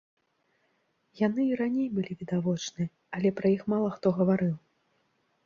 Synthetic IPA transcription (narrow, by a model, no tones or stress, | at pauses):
janɨiɾanʲejbɨlʲivʲid̪avɔt͡ʂnɨ | ɐlʲɛpɾɐixmalˠɐxt̪ɔɣɐvaɾɨw